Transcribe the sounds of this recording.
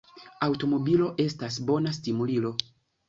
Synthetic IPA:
awto̞mo̞bilo̞ʔe̞stas̬bo̞nas̬timulilo̞

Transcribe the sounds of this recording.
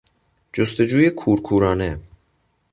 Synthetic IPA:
d͡ʒost̪ed͡ʒuːjekʰuːɾkʰuːɾɒːne

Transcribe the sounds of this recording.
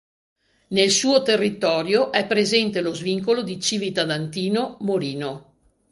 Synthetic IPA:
nelsuːot̪erːit̪ɔːɾjoʔɛpːɾezɛnt̪elozviŋkolod̪it͡ʃiːvit̪ad̪ant̪iːnomoɾiːno

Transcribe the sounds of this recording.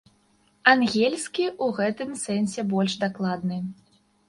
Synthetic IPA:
anɣʲelʲsʲkʲiʔuɣɛt̪ɨmsɛnsʲɛbɔlʲʂd̪aklˠad̪̚nɨ

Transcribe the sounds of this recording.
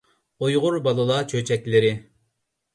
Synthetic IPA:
ojʁʊɾbɑlˠɨlˠɑt͡ʃʰøt͡ʃʰɛkʲlɪɾɪ

